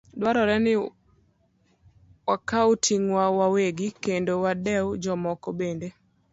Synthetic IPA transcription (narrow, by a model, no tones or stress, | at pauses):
dwaɾɔɾɛnɪ | wakautʰiŋwawaweɡikendowadɛwd͡ʒɔmɔkɔbende